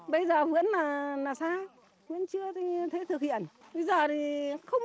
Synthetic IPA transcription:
ɓə˧jzəː˨˩vɨ̰˧˥ənːaː˨˩naː˨˩saː˧ | vḭ˧˥ənt͡ɕɨ˧ət̪ʰi˨˦t̪ʰe˨˦t̪ɨ˨˩k̚hḭ˧˨ən | ɓə˧jzəː˨˩t̪ʰi˨˩xə˧wŋ͡m

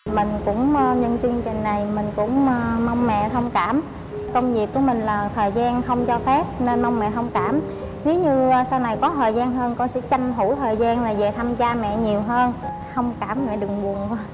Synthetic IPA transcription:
mï˨˩ŋ̟kʊ̰˧˥ŋ͡mɲə˧nt͡ɕɨ˧əŋt͡ɕï˨˩ŋ̟na˨˩jmï˨˩ŋ̟kʊ̰˧˥ŋ͡mːmə˧wŋ͡mmɛ̰˧˨t̪ʰə˧wŋ͡mkaː˧˩m | kə˧wŋ͡mvi˨˩k̚kːu˧˩əmï˨˩ŋ̟laː˨˩t̪ʰəː˨˩jzaː˧nxə˧wŋ͡mt͡ɕɔ˧fɛ˦˥p̚ne˧nmɔ˧wŋ͡mmɛ̰˧˨hə˧wŋ͡mkaː˧˩m | ne˨˦wɲɨ˧sa˧wna˨˩jkɔ˨˦t̪ʰo̰ː˨˩jzaː˧nɦəː˧nkɔ˧nsɛ̰˧˥t͡ɕa˧jŋ̟ɦu˧˩t̪ʰəː˨˩jzaː˧nlaː˨˩ze˨˩t̪ʰa˧mt͡ɕaː˧mɛ̰˧˨ɲi˨˩əwɦəː˧n | xə˧wŋ͡mkaː˧˩mmɛ̰˧˨ɗɨ˨˩əŋɓu˨˩ən˧

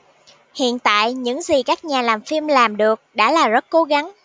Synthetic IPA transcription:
hḭ˧˨ənt̪a̰ː˧˨jɲɨ̰˧˥ŋzi˨˩kaː˦˥k̚ɲaː˨˩laː˨˩mfi˧mlaː˨˩mɗɨ˨˩ək̚ɗa̰ː˧˥laː˨˩zə˦˥t̚ko˨˦ɣa˨˦ŋ

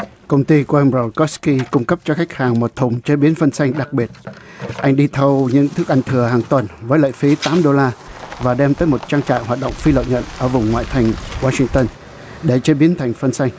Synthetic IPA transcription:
kə˧wŋ͡mt̪i˧ku˧˩əʔə˧mɹɔ˧˩kɔ˦˥ski˧kʊ˧ŋ͡mkə˦˥p̚t͡ɕɔ˧xa˦˥jk̟̚haː˨˩ŋmo˨˩t̚t̪ʰʊ˨˩ŋ͡mt͡ɕe˨˦ɓi˨˦ənfə˧nsa˧jŋ̟ɗa˨˩k̚ɓi˨˩ət̚ | ʔa˧jŋ̟ɗi˧t̪ʰə˧wɲɨ̰˧˥ŋt̪ʰɨ˦˥k̚ʔa˧ŋ̟t̪ʰɨ˨˩əhaː˨˩ŋt̪wə˨˩nvəː˨˦jlə̰ː˧˨jfi˨˦t̪aː˨˦mɗo˧laː˧vaː˨˩ɗɛ˧mt̪əː˨˦jmo˨˩t̚t͡ɕaː˧ŋt͡ɕa̰ː˧˨ɦwaː˨˩t̚ɗə̰˧˨wŋ͡mfi˧lə̰˧˨wɲə̰˧˨nʔəː˧˩vʊ˨˩ŋ͡mŋwa̰ː˧˨jt̪ʰa˨˩jŋ̟waː˧sï˧ŋt̪ə˧n | ɗe˧˩t͡ɕe˨˦ɓi˨˦ənt̪ʰa˨˩jŋ̟fə˧nsa˧jŋ̟

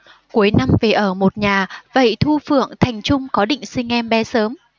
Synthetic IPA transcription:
ku˨˦əjna˧mve˨˩ʔəː˧˩mo˨˩t̚ɲaː˨˩və̰˧˨jt̪ʰu˧fɨ̰˧˨əŋt̪ʰa˨˩jŋ̟t͡ɕʊ˧ŋ͡mkɔ˨˦ɗḭ̈˧˨ŋ̟sï˧ŋ̟ʔɛ˧mɓɛ˨˦səː˨˦m

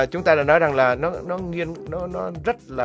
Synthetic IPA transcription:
t͡ɕʊ˦ŋ͡mt̪aː˧ɗaː˧˩nɔ˨˦jza˨˩ŋlaː˨˩nɔ˨˦nɔ˨˦ŋi˧ənnɔ˨˦nɔ˨˦zə˦˥t̚laː˨

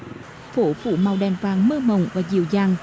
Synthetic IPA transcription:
fo˧˦fṵ˧˦ma˨˩wɗɛː˨˩nvaː˨˩ŋmə˧əmə˨˩wŋ͡mvaː˨˩zḭ˧˨əwzaː˧˩ŋ

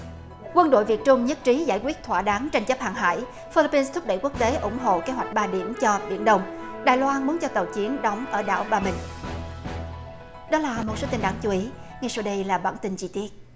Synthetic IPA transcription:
kwə˧nɗo̰˧˨jvi˨˩ət̚t͡ɕʊ˧ŋ͡mɲə˦˥t̚t͡ɕi˨˦zaː˧˩jkwi˦˥ət̚t̪ʰwaː˧˩ɗaː˨˦ŋt͡ɕa˧ŋt͡ɕə˦˥p̚ha̰ː˨˩ŋɦa̰ː˧˨j | fi˧li˧˥pi˧nst̪ʰʊ˦˥k͡p̚ɗə̰˧˩jku˦˥ək̚t̪e˨˦ʔʊ̰˧˩ŋ͡mɦo̰˧˨ke˨˦ɦwa˨˩jk̟̚ɓaː˧ɗi˧˩əmt͡ɕɔ˧ɓḭ˧˩ənɗə˧wŋ͡m | ɗaː˨˩jlwaː˧nmu˨˦nt͡ɕɔ˧t̪ə˨˩wt͡ɕi˨˦ənɗɔ˨˦wŋ͡mʔəː˧˩ɗa̰ː˧˩wɓaː˧mï˨˩ŋ̟ | ɗɔ˨˦laː˨˩mo˨˩t̚soː˨˦t̪i˧nɗaː˧˩ŋt͡ɕu˨˦ʔi˨˦ | ŋa˧jsaː˧ɗə˧jlaː˨˩ɓaː˧˩nt̪ï˧nt͡ɕi˧t̪i˦˥ət̚

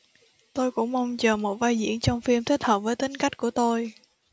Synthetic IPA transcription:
t̪o˧jkʊ̰˧˥ŋ͡mma˧wŋ͡mt͡ɕəː˨˩mo˨˩t̚vaː˧jzḭ˧˥ənt͡ɕɔ˧wŋ͡mfi˧əmt̪ʰi˦˥t̚həː˨˩p̚vəː˨˦t̪i˨˦ŋ̟ka˦˥jk̟̚ku˧˩ət̪o˧j

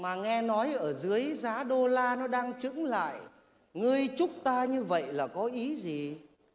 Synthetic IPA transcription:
maː˨˩ŋɛ˧nɔ˨˦jʔəː˧˩zɨ˨˦əjzaː˨˦ɗo˧laː˧nɔ˨˦ɗaː˧ŋt͡ɕɨ̰˧˥ŋla̰ː˧˨j | ŋɨ˧əjt͡ɕʊ˦˥k͡p̚t̪aː˧ɲɨ˧və̰˧˨jlaː˨˩kɔ˨˦ʔi˨˦zi˨˩

